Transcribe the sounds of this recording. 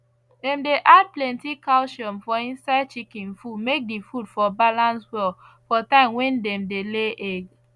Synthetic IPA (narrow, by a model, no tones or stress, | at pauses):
dɛ̃mdeʔad̚plɛ̃ntikaʊʃɔ̃nfɔĩnsaɪd̚t͡ʃikĩnfudmek̚difudfɔbalãnswɛl | fɔtãɪ̃mwɛ̃ndɛ̃mdeleʔɛɡ